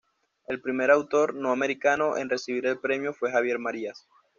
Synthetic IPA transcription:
e̞lpɾime̞ɾawt̪o̞ɾnoame̞ɾikano̞ʔḛnre̞siβ̞iɾe̞lpɾe̞mjo̞fwe̞xaβ̞je̞ɾmaɾias

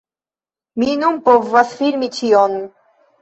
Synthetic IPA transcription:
minumpɔvːasfiɾmit͡ʃʰijɔn

